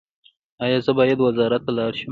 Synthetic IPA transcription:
ɑjɑzəbɑjad̪wazɑɾat̪ːalɑɾʃəm

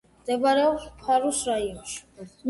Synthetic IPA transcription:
md̪ɛbaɾɛɔspʰaɾusɾaiɔnʃm

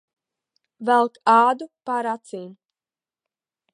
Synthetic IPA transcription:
vælˠkaːd̪upaɾat̪siːn

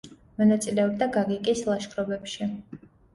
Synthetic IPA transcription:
mɔnat̪sʼilɛɔb̚d̪aɡaɡikʼislˠaʃkʰɾɔbɛpʃi

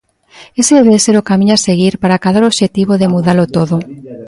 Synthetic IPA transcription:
eseðeβeðeseɾokamĩɲoaseɣ̞iɾpaɾakaðoɾoβʃet̪iβoðemuðaɾlot̪oðo

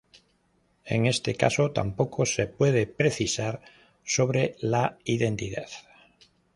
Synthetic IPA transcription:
e̞̰ŋe̞st̪e̞ka̰sot̪a̰mpo̞kʰose̞pwe̞ð̞epɾe̞θisaɾ | so̞βɾelaiðe̞nt̪iðaθ

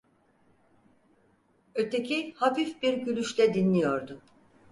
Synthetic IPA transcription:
øt̪ʰecʰihafifbiɾɟylʲyʃlʲɛd̪inlʲijoɾd̪ʊ

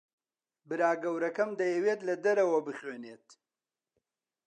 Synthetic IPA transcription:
bɨɾaːɡɐwɾɐkɐmd̪ɐjɐweːt̪lɐd̪ɐɾɐwɐbɨχweːneːt̪

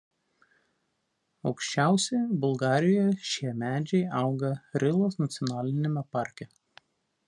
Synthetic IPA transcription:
ɒʊkʃʲt͡ʃʲæˑʊsʲɛbʊlˠɡɑːɾʲɪjɔːjɛʃʲiɛmʲæːd͡ʒʲɛɪɑˑʊɡɐɾʲɪlˠoːsnɐt̪sʲɔnɑːlʲɪnʲemʲɛpɑˑɾʲkʲɛ

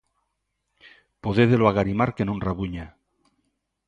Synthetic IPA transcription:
poðeðeloaɣaɾimaɾkenonraβuɲa

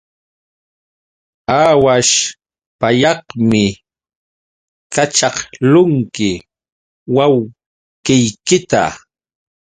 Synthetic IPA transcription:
aːwaʃ | paʎɑhmɪ | kat͡ʃɑχlʊŋkɪ | waw | kɪjkɪt̪a̰

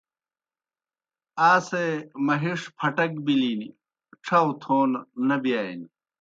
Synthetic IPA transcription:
aːsemɐɦiʂpʰɐʈɐkbilini | ʈ͡ʂʰɐwt̪ʰoːnːɐbjaːjn

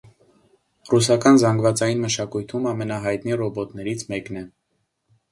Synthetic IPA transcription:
rusɑkɑnzɑŋɡvɑt͡sɑjinməʃɑkujt̪ʰumɑmɛnɑɦɑjt̪nirɔbɔt̪nɛɾit͡sʰmɛknɛ

